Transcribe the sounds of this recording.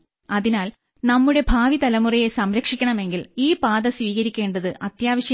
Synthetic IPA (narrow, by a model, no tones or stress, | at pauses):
ɐðinaːl | nɐmːuɽe̞bʱaːʋit̪ɐlɐmurɐjesɐmɾɐkʂikʲːɐɳɐme̞ŋɡiliːpaːðɐsʋiːɣɐɾikʲːe̞ːɳɖɐðɨʔɐt̪jaːʋɐɕjɐ